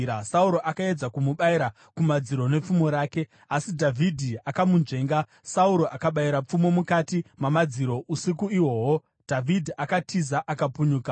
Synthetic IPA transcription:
asauɾo̞ʔakae̞d͡zakumuɓaiɾa | kumad͡ziɾo̞ne̞p͡fumo̞ɾaːke̞ | asidʱavʱidʱiakamunʐe̞ːŋɡa | sauɾo̞ʔakaɓaiɾap͡fumo̞mukatimamad͡ziɾo̞ʔusikuiwo̞ːwo | dʱavʱidʱiʔakatʰizaʔakapuɲuːka

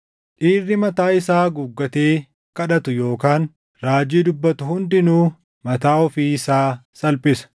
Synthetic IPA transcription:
ᶑiːrːɪmɐt̪aːɪsaːɡʊɡːɐt̪eː | kɐᶑɐt̪ʊjo̞ːkaːn | ɾaːd͡ʒiːd̪ʊbːɐt̪ʊhʊnd̪ɪnuː | mɐt̪aːɔfiːɪsaːsɐlpʼɪsɐ̥

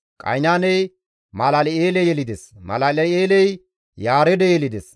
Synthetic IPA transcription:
kʼɐ̰jnaːnɛj | malɐlɛeːlɛjɛlɪd̪ɛsmɐ̰lɐlɛeːlɛj | jaːɾɛd̪ɛjɛlɪd̪ɛs

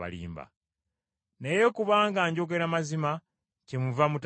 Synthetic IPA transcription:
a̰lḭːmba̰ | nejekuβaːŋɡaɲɟo̞ɡeɾamazima | cemuvamut

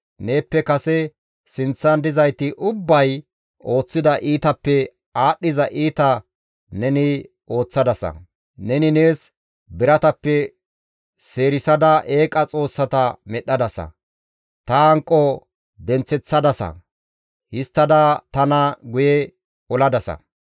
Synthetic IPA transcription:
ne̞ːpːɛkɐsɛ | sɪnt͡sːɐnd̪ɪzɐjt̪ɪʔʊbːɐj | o̞ːt͡sːɪd̪ɐʔiːt̪ɐpːɛ | aːɗːɪzɐʔiːt̪ɐ | nɛnɪ | o̞ːt͡sːɐd̪ɐsɐ̰ | nɛnɪneːs | bɪɾɐt̪ɐpːɛ | se̞ːɾɪsɐd̪ɐʔe̞ːkʼɐt͡sʼo̞ːsːɐt̪ɐmɛɗːɐd̪ɐsɐ̰ | t̪ɐɐŋkʼːɔ | d̪ɛnt͡sːɛt͡sːɐd̪ɐsɐ̰ | hɪst̪ːɐd̪ɐt̪ɐnɐɡʊjɛ | ɔlɐd̪ɐsɐ̰

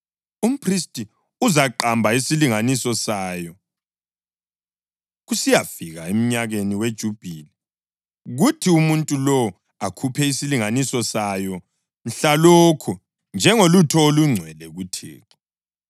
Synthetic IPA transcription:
um̩pʰristʼi | uzaǃambʱaisiliŋanisɔsaːjɔ | ɣusijafiɣaem̩ɲaɣeniwed̥ʒ̥ʱub̥ʱiːlɛ | ɣutʰiumuntʼulɔ | akʰupʰɛisiliŋanisɔsajɔ | m̩ɬaloːkʰu | nd͡ʒʱɛŋolutʰɔoluŋ͡ǀʱwɛlɛɣutʰḭːǁɔ

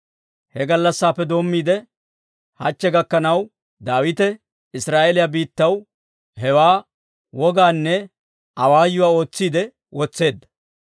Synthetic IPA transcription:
hɛɡɐlːɐsːaːpːɛd̪o̞ːmːiːd̪ɛ | hɐt͡ʃːɛɡɐkːɐnɐw | d̪aːwɪt̪ɛ | ɪsɾaːʔelɪjabiːt̪ːɐw | ɦɛwaː | wɔɡaːnːɛ | ʔɐwaːjːʊwaːo̞ːt͡sːiːd̪ɛ | wɔt͡sːe̞ːd̪ːɐ

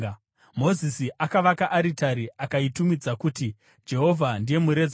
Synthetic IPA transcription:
mo̞zisiʔakaʋakaʔaɾitaɾiʔakaitumid͡zakuːti | d͡ʒe̞ɦo̞vʱandije̞muɾe̞d͡z

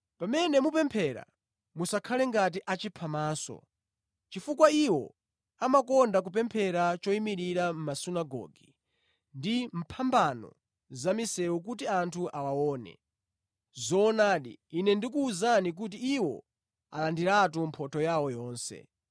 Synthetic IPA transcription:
pamɛnɛmupɛmpʰɛɾa̰ | musakʰalɛŋɡat̬iʔat͡ʃipʰamaːsɔ̰ | t͡ʃifukwaiwɔ | amakɔndak̬up̬ɛmpʰɛɾat͡ʃɔimiɾiɾam̩masunaɡɔ̰ːɡi | ndim̩pʰambanɔ̰ | zamisɛuk̬ut̬iantʰuʔawawɔːnɛ̰ | zɔːnaːɗḭːnɛndik̬uːzanik̬utiiwɔ̰ | a̰landiɾatum̩pʰɔtʰɔjawɔjɔːnsɛ̰

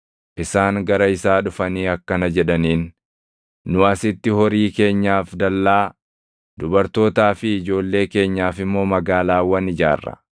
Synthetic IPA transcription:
ʔɪsaːŋɡɐɾɐɪsaːᶑʊfɐniːɐkːɐnɐd͡ʒɛᶑɐniːnː | ʊɐsɪt̪ːɪhɔɾiːke̞ːɲːaːfd̪ɐlːaː | d̪̥ʊbɐɾt̪o̞ːt̪aːfɪɪd͡ʒo̞ːlːe̞ːke̞ːɲːaːfɪmːo̞ːmɐɡaːlaːwɐnɪd͡ʒa̰ːrːɐ̰

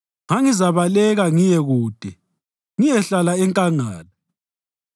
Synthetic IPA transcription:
ŋaŋizaβalɛɣaŋijɛɣuːd̥ʱɛ | ŋijɛɬalaɛŋkʼaŋaːla

